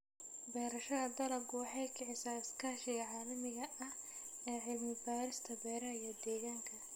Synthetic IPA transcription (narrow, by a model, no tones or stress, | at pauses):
bɛːɾɐʃɐðɐd̪ɐlɐɡʊwɑħɑjkʰɛʕɪsaːɪskʰaːʃɪjɐʕaːlɐmɪɣɐɐh | ɛːʕɪlmɪbaːɾɪst̪ʰɐbɛːɾɐjɐd̪ɛːɣaːŋkʰɐ